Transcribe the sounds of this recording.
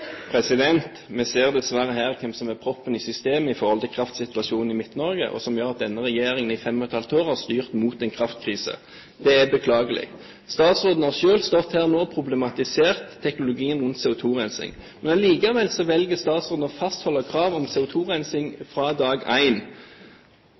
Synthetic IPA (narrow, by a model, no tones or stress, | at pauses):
pʰɾɛsɪd̪ɛnt̪mɛseːʁd̪ɛsʋæɾəɦæːʁkʰɛmsɔmæpʰɾɔpːənɪsʏst̪eːməɪfɔɾhɔlt̪ʰɪlkʰɾɑft̪sɪt̪ʋɑʂuːnn̩ɪmɪt̪nɔɾɡə̰ʔɔ̰sɔmjøːʁɑt̪̚d̪ɛnːəʁɛjeːɾɪŋənɪfɛmnət̪ʰɑlt̪oːʁhɑʁst̪yːʁt̪muːt̪ɛnkʰʁɑft̪kʰʁiːsə̰ | d̪̥ɛæbəkʰlɑːɡəlɪ̰ɡ | st̪ɑːt̪sʁoːd̪n̩ɑʃøːlst̪ɔt̪hæːʁnoːpʰʁʊblɛmɑt̪ɪseːʁt̪ʰːɛknʊlʊɡiːənʁʉnt̪sɛʊt̪ʰuːʁænsɪ̰ŋ | mɛnɑliːkɑʋɛlsɔʋɛlɡəst̪ɑːt̪sʁoːd̪nɔfɑst̪hɔlːəkʰɾɑːʋɔmsɛːʊt̪ʰuːʁænsɪŋfʁɑd̪ɑːɡæ̰ɪn